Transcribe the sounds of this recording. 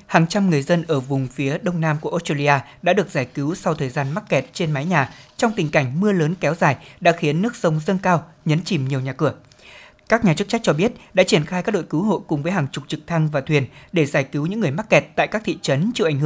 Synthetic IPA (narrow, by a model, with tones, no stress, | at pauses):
haː˨˩ŋt͡ɕa˧mŋɨ˨˩əjzə˧nʔəː˧˩vʊ˨˩ŋ͡mfi˨˦əɗə˧wŋ͡mnaː˧mku˧˩ʔo˦˥staː˧li˧ʔaː˧ɗa̰ː˧˥ɗɨ˨˩ək̚zaː˧˩jki˨˦wsa˧wt̪ʰəː˨˩jzaː˧nma˦˥t̚kɛ˨˩t̚t͡ɕe˧nma˨˦jɲaː˨˩t͡ɕɔ˧wŋ͡mt̪ï˨˩ŋ̟ka˧˩jŋ̟mɨ˧ələː˨˦nkɛ˨˦wzaː˨˩jɗa̰ː˧˥xi˨˦nːɨ˦˥ək̚zə˧wŋ͡mzə˧nkaː˧w | ɲə˨˦nt͡ɕi˨˩mɲi˨˩əwɲaː˨˩kɨ˧˩ə | kaː˦˥k̚ɲaː˨˩t͡ɕɨ˦˥k̚t͡ɕa˦˥jk̚t͡ɕɔ˧ɓi˦˥ət̚ɗa̰ː˧˥t͡ɕi˧˩ənxaː˧jkaː˦˥k̚ɗo̰˧˨jkɨ˨˦wɦo̰˧˨jkʊ˨˩ŋ͡mvəː˨˦jɦaː˨˩ŋt͡ɕʊ˨˩k͡p̚t͡ɕɨ˨˩k̚t̪ʰa˧ŋvaː˨˩t̪ʰwi˨˩ənɗe˧˩zaː˧˩jki˨˦wɲɨ̰˧˥ŋːɨ˨˩əjma˦˥t̚kɛ˨˩t̚t̪a̰ː˧˨jkaː˦˥t̪ʰḭ˧˨t͡ɕə˨˦nt͡ɕi˧˩ʔa˧˩ŋ̟˧˨